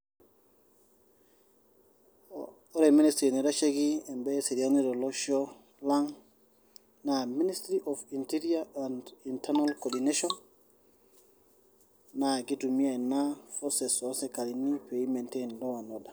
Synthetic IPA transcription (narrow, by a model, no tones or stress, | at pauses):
ɔɾɛministɾinɛdat͡ʃeɡiɛmbɛsedianidɔlɔʃɔ | laŋ | naministɾiʔɔfintiɾiaandintɛnalkɔdineʃɔn | aɡidumiajnafɔsɛsɔsɛkalinipeimɛntendɔwanɔda